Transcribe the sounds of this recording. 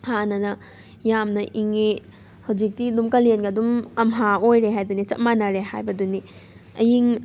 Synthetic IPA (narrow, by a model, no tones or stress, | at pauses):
hanɐnɐ | jamnɐʔiŋe | hɐwd͡ʒik̚tidumkɐlenɡɐdumɐmɦaojɾeɦajdunit͡ʃɐt̚manaɾeha̰jbɐduni | ɐjiŋ